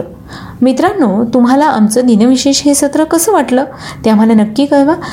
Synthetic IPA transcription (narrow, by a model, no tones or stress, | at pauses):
mit̪ɾanːot̪umɦalaamt͡səd̪inəʋiɕeɕɦesət̪ɾəkəsəːʋaʈləː | t̪jam̤əlenəkːiːkəjʋa